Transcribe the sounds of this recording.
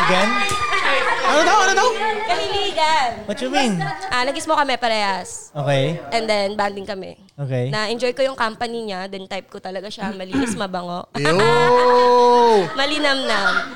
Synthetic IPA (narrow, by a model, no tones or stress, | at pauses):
ɡɐn | ʔɐnod̪awŋɐnod̪awkɐhɪliːɡɐnwɐt̪juminʔanɐɡɪsmokɐmɛpɐɾɛːhɐsʔoːkɛjʔɛnd̪ɛnband̪ɪŋkɐmɛ | ʔoːkɛjnɐʔɛnd͡ʒojkojʊŋkampɐniɲad̪ɛnt̪ajp̚kot̪ɐlɐɡaʃamɐliːʔɪsmɐbɐŋoʔ | mɐlɪnɐmnɐ